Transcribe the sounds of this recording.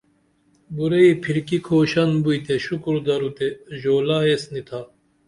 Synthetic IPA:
buɾeipʰiɾkikʰoːɕɐnbujt̪eɕukuɾd̪ɐɾut̪eʑoːlaːesnit̪ʰaː

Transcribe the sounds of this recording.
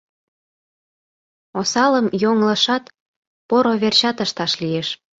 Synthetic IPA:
osɑləmjoŋlə̆ʃɑt̪ | poɾoβert͡ɕɑt̪əʃt̪ɑʃlijeʃ

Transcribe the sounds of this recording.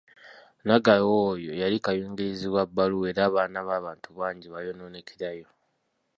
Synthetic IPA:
naɡajojojalikajuːŋɡeziβwabːalue̞ːɾaːβaːnaβaːβaːntuβaːɲɟiβajo̞noːneciɾajo̞

